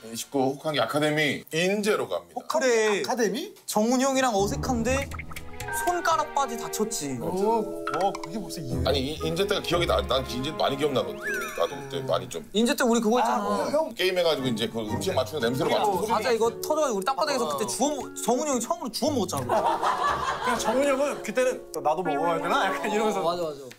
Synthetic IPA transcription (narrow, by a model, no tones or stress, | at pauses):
ɕi̥k͈ohokʰaŋɡiakʰade̞miind͡ʑe̞ɾoka̰mɲiakʰdekʰademit͡ɕʌŋuɲʌŋiɾaŋʌsʰe̞kʰande̞ | sʰonk͈aɾap͈ad͡ʑitat͡ɕʰʌt̚t͡ɕ͈i | kɯɡeos͈ia̰ɲiiind͡ʑet͈eɡakijʌɡina̰naind͡ʑedoma̰ɲikiʌmnadondena̰dokɯt͈e̞̰ma̰ɲit͡ɕomind͡ʑet͈euɾik̬ɯɡʌt͡ɕ͈ak͈eime̞ɡad͡ʑiɡoind͡ʑe̞kɯimɕʰiŋmat͡ɕʰuɡone̞ms̬ʰeɾomaad͡ʑaiɡʌtʰʌd͡ʑʌɣad͡ʑiɡuɾit͈ap͈adaɡesʰʌkɯt͈et͡ɕuʌm | t͡ɕʌŋuɲjʌŋit͡ɕʰʌmɯɾut͡ɕuʌmːʌt͡ɕ͈ana | kt͡ɕʌŋuɲʌŋɯnkɯt͈enɯt͈onadomooɡajat͈enajak͈ʰaniɾʌɡʌs̬ʰʌad͡ʑoad͡ʑo